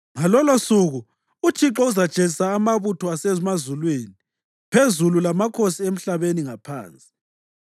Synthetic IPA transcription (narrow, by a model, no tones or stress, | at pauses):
ŋalɔlosuɣu | ut͡ʃʰiǁɔuzḁt͡ʃʼezisaːmaβutʰɔasezimazulweːni | pʰezululamakʰosiem̩ɬaβeniŋapʰa̰ːnt͡sʼi̥